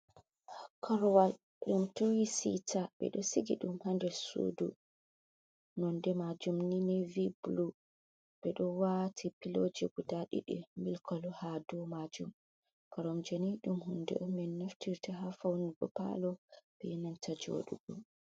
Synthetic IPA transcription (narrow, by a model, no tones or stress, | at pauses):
kʰɔɾwal | ɗumtowisitʰaɓɛ̰ɗɔsiɡiɗumhandɛɾsṵdṵ | nɔndɛmad͡ʒumninɛviblu | ɓ̥ɛɗɔwatʰipilod͡ʒɛɡudaɗḭɗɛ̰milkʰɔlɔhadɔmad͡ʒum | kɔɾɔmd͡ʒeniɗumhundɛ̰ʔɔmɛnːaftiɾtaɦafawniɡɔpa̰lɔɓ̥ɛjɛnantʰad͡ʒo̰ɗṵɡɔ